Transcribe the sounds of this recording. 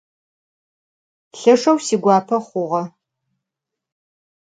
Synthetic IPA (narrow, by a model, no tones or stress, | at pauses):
ɬɐʂɐwsiːɡʷɑːpʰɐχʷʊʁɐ